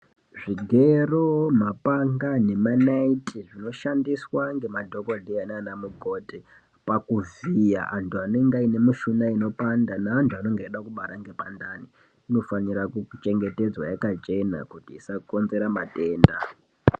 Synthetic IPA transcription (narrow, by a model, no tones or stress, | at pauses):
ʐiɡʱe̞romapaŋɡane̞manaitʰʼiʐino̞ʃandiswaŋɡe̞madʱo̞kodʱeananamuɡʱo̞te | pakuvija̰ʔantʰuaneŋɡaine̞miʃunaino̞pandanaːntʰuano̞ŋɡeiɗakuɓaɾaŋɡe̞pandani | ino̞fanirakut͡ʃe̞ŋɡe̞te̞d͡zwa̰jakat͡ʃe̞na̰kutiːsako̞nze̞ɾamate̞ːnda̰